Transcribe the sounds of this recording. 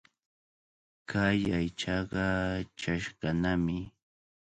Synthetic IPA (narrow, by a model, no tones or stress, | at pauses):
kʰajajt͡ʃɑɢɑt͡ʃaʃɢɑnamɪ